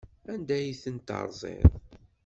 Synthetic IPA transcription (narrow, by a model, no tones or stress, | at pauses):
ænd̪æjiθənt̪ɑ̰ɾˤzˤɪ̰ðˤ